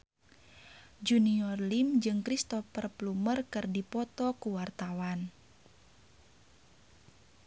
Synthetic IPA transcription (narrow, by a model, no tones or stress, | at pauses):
d͡ʒuniɔrlimd͡ʒɨŋkɾist̪ɔfərplumərkɨrdipɔt̪ɔkuwart̪awan